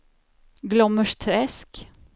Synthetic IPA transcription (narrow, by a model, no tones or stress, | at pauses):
ɡlɔməʂt̪ʰɾɛsk